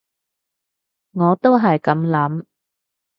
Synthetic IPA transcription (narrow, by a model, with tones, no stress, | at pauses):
ŋɔː˨˧t̪o˥wɦɐ˨jkɐ˨˥mlɐ˨˥m